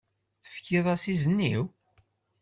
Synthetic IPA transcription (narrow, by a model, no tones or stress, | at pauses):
θə̥fkiðˤɑsizənːḭw